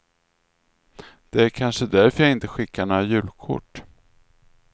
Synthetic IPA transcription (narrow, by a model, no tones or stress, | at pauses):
d̪̥ɛæɾkʰanʂəd̪æɾfœɾjaɪnt̪əɧɪkːaɳɔajʉ̟ːlkʰʊ̰ʈː